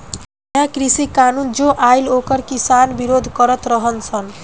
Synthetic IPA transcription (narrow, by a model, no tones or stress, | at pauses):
jãkɾisikanund͡ʒoʔajlokʌɾkisanbiɾod̪ʱkʌɾʌt̪ɾʌɦʌnt͡sʰʌn